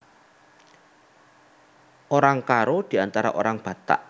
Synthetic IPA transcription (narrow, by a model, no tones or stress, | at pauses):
ʔoɾaŋkaɾod̪̥i̤ant̪aɾa̰ʔo̰ɾaŋb̥ä̤t̪a̰ʔ